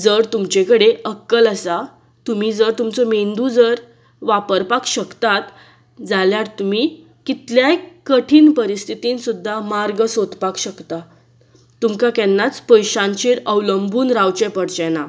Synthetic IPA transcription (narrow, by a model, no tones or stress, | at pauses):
d͡zəɾt̪umt͡ɕekəɽeəkːələsa | t̪um̤iːd͡zəɾt̪umt͡sɔmend̪ud͡zəɾ | ʋapəɾpakɕəkt̪at̪ | d͡zaljaɾt̪um̤i | kit̪ljakəʈʰiːnpəɾist̪ʰit̪insud̪ʱːamaɾɡəsot̪pakɕəkt̪a | t̪umkakɛnːat͡spəjɕãnt͡ɕiɾəwləmbuːnɾawt͡ɕɛ̃pəɽt͡ɕɛna